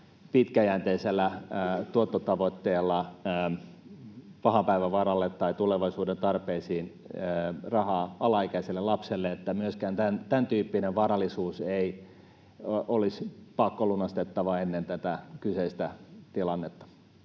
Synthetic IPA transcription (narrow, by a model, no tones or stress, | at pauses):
pit̪kæjænt̪eiselːæt̪uot̪ːot̪ɑʋot̪ːeːlːɑəː | pɑhɑpæiʋæʋɑrɑlːet̪tɑit̪uleʋɑisuːdent̪ɑrpeisiːnː | rɑhɑːɑlɑikæiselːelɑpselːeet̪ːæmyøskæːnt̪ænt̪ænt̪yːpːineʋʋɑɾɑlːˑisuːsei | olispɑkːolunɑst̪et̪ːɑʋɑenːent̪æt̪ækyseist̪æt̪ilɑnːet̪ːɑ̥